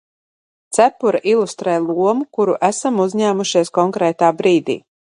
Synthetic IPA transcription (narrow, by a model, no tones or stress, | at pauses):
t̪sæpuɾaʔilˠust̪ɾɛːjlˠuɔmukuɾuʔæsamuzʲɲæːmuʃiɛskɔŋkɾɛːt̪aːbɾiːd̪ḭː